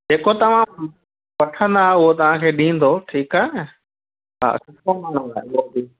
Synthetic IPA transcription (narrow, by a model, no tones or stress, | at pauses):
d͡ʑeːkot̪ɐʋ̤ã | pɐʈʰə̃nd̪aːɦeʊɦot̪ɐʋ̤ãkʰeːɗĩːn̆d̪oʈʰiːkaːɦe | ɦa̰ːsʊkəman̤ʊ̃d̪aɦɓod̪i